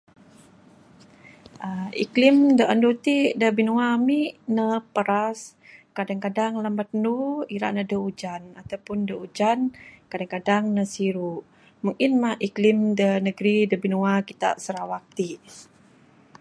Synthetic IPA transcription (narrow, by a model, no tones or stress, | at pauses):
əiklimdəʔəndut̪iʔdəbinuamiʔnəpəɾas | kadaŋkadaŋləmbat̪̚nuiɾa̰ʔnədəud͡ʒanat̪awpʊndəud͡ʒankadaŋkadaŋnəsiɾuʔ | muŋkinmahʔiklimdənəɡɾidəbinuakit̪a̰ʔsəɾawak̚t̪iʔ